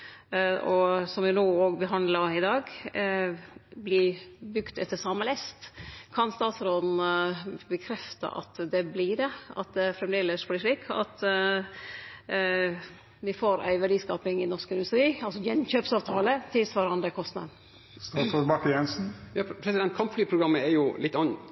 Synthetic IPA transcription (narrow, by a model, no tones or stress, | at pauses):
ɔsɔmʋɪnoːoːɡbəɦɑnd̪lɑɪd̪ɑːɡ | blɪbʉkt̪ɛt̪ːəsɑməlɛst̪kʰɑnst̪ɑːt̪sɾoːd̪n̩bəkʰɾɛft̪ɑ̰ʔɑ̰t̪d̪ɛblɪd̪ɛɑ̰t̪̚d̪ɛæfɾɛmd̪eːləsblɪʂɭiːkʰɑ̰t̪ | ʋɪfoːɾʔæ̰ɪʋæɖiːskɑːpɪŋɪnɔʂkəɪnd̪ʉst̪ɾiːɑlsɔjɛnçøːpsɑːʋt̪ʰɑːlət̪ʰɪlsʋɑɾɑnd̪əkʰɔst̪nɑ̰d̪n̩ | bɑkjɛnsn̩jɑːpʰɾɛsɪd̪ɛnt̪̚kʰɑmpflyːpʰɾʊɡɾɑmːəæɾjʊlɪt̪ːɑnː